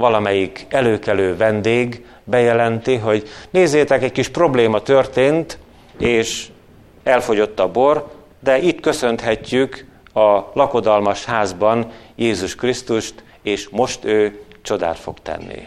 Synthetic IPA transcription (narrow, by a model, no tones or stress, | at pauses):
vɒlɒmɛjikɛløːkɛløːvɛnd̪eːɡ | bɛjɛlɛnt̪iɦo̞ɟneːzːeːt̪ɛkɛckiʃpro̞bleːmɒt̪ø̞rt̪eːnt̪ | eːʃ | ɛlfo̞ɟo̞t̪ːɒbo̞r | d̪ɛʔit̪kø̞sø̞nt̪ɦɛcːyk | ɒlɒko̞d̪ɒlmɒʃhaːzbɒnjeːzuʃkrist̪uʃt̪ | eːʃmo̞ʃt̪øːt͡ʃo̞d̪a̰ːt̪fo̞̰ɡt̪ɛ̰nːḭ